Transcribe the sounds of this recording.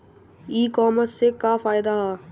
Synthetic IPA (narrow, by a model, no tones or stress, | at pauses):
iːkɔːməɾssekafaːɪd̪aɦaː